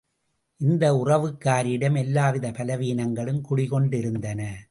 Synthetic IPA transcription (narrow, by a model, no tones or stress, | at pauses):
ʔɪnd̪ɐʊrɐʋɯkːaːɾɪɽɐmɛlːaːʋɪðɐpɐlɐʋiːnɐŋɡɐɭɯmkʊɽɪɣɔɳɖɪɾɯnd̪ɐnɐ